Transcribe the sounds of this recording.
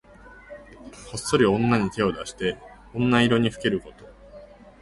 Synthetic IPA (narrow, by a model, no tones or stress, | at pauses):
ho̞sːo̞ɾʲiõ̞nːaɲ̟it̪e̞o̞d̪aɕi̥t̪e̞ | õ̞nːaiɾo̞ɲ̟iɸɯ̟̥ke̞ɾɯ̟ko̞t̪o̞